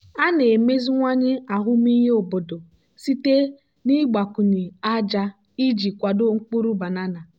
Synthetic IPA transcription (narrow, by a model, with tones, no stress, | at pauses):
a˦ne˨me˦zi˦ŋʷa˦ɲɪ˦a˨ɦʊ˦m˦i˦ɦe˦o˨bo˨do˨ | si˦te˦ | ni˦ɡ͡ba˨kʊ˨ɲi˨a˦d͡ʒa˦ | i˦d͡ʒi˨kʷa˨do˦ŋ͡m̩˦k͡pu˦ɾu˦ba˨na˦na˨